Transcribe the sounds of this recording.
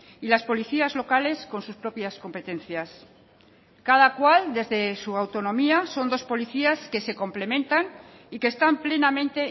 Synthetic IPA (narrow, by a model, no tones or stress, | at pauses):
ilaspo̞liθiazlo̞kale̞sko̞nsuspɾo̞pjasko̞mpe̞t̪e̞n̟θjas | kaðakwald̪e̞zðe̞suawt̪o̞nõ̞miaso̞nd̪o̞spo̞liθiaske̞se̞ko̞mple̞mẽ̞nt̪an | ike̞ːst̪ample̞namẽ̞nt̪e̞